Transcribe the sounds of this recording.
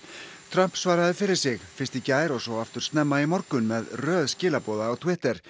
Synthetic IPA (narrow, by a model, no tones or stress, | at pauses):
t̪ʰɾœm̥psvaːɾaðʏfɪɾɪɾ̥sɪɣfɪn̥st̪icaːjɾɔɣsɔaft̪ʏɾ̥st̪nɛmːaimɔɾkʏnmɛðrœːðscɪːlapɔːðaːwt̪ʰwɪht̪ɛɾ̥